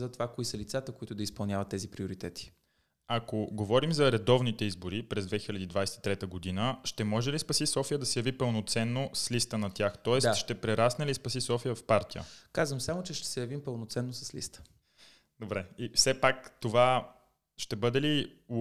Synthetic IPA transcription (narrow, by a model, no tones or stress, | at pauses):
zɐt̪ovakoisəlit̪sat̪əkoit̪ʊd̪ɐispɐlˠnʲavɐt̪ːɛzipɾioɾit̪ɛt̪ʰi̥ | akoɡovɔɾimzɐɾɛd̪ɔvnit̪ɛizboɾipɾɛzd̪vɛxilʲɐd̪iːd̪vajsɛ̥t̪i̥t̪ɾɛt̪əɡod̪inəʃt̪ɛmɔʒɛlispɐsisɔfijəd̪ɐsɛjɐvipəlˠnot̪sɛnːoslist̪ənɐt̪ʲjaxt̪ɔɛsʃt̪ɛpɾɛɾasnɛlispɐsisɔfijəfpaɾt̪ijə̰kazvəmsamot͡ʃɛʃt̪ɛ̥sɛjɐvimpəlˠnot̪sɛnːosɐslḭst̪ə̥ | d̪obɾɛifsɛpakt̪ova | ʃt̪ɛbɤd̪ɛli